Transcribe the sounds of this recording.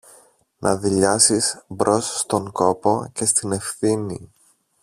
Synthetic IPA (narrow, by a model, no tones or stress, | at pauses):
nʔɐðiʎɐsisbɾo̞sst̪o̞ŋko̞po̞ce̞st̪ine̞fθinḭ